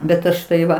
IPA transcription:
bʲɛt ˈɐʃ tɐɪ ˈʋɐ

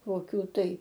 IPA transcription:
koːˈkʲuː tɐɪ

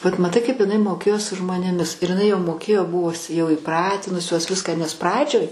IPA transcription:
ʋɐt mɐˈtɐɪ kɐɪp ɪˈnɐɪ moːˈkʲeːjoː sʊ ʒmoːnʲeːˈmʲɪs ɪr jɪˈnɐɪ jɛʊ moːˈkʲeːjoː ˈbʊʋʊs jɛʊ iːˈprɑːtʲɪnʊsʲoːs ˈʋʲɪskɑː nʲɛs ˈprɑːd͡ʒʲoːj

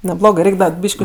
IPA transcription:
nʲɛˈblˠoːɡɜ ˈrʲɛɪkʲ ˈdɐ ˈbʲiːʃʲkʲɪ

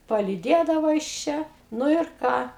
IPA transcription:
pɐlʲiːˈdʲeːdɐʋoː jɪs ˈt͡ʃʲɛ ˈnʊ ɪr ˈkɑː

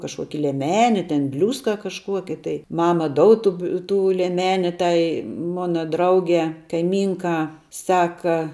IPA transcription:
kɐʃˈkuɔkʲɪ lʲiɛˈmʲæːnʲɪ tʲɛn ˈbʲlʲuːskɐ kɐʃˈkuɔkʲɪ tɐɪ ˈmɑːmɐ ˈdoːʊt ˈtʊ bʲɪ ˈtuː lʲiɛˈmʲæːnʲɪ ˈtɐɪ ˈmʊnɐ ˈdrɐʊɡʲɛː kɐɪˈmʲiːŋkɑː ˈsɑːkɐ

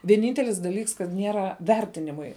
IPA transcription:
ʋʲiɛˈnʲiːnʲtʲɛlʲɪs dɐˈlʲiːks kɐt ˈnʲiɛrɐ ˈʋʲɛrʲtʲɪnʲɪmʊɪ

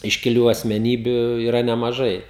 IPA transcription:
ɪʃʲkʲɪˈlʲuː ɐsʲmʲɛˈnʲiːbʲʊ iːˈrɐ nʲɛmɐˈʒɐɪ

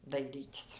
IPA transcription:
dɐɪˈrʲiːtʲɪs

